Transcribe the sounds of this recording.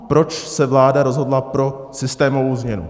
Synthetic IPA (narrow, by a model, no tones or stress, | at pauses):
pɾo̞t͡ʃsɛvlaːdaɾo̞zɦo̞dlapɾo̞sɪst̪ɛːmovowzmɲɛnṵ